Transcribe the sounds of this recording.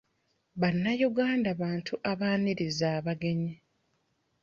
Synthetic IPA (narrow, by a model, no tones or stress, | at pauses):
βanːajuɡaːndaβaːntʰuʔaβaːniɾizaːβaɡe̞ɲi